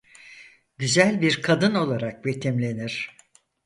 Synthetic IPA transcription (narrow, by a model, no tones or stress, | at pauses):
ɟyzælʲbiɾkʰad̪ɯno̞lˠaɾak̚bet̪ʰɛmlʲe̞niɾ̝̥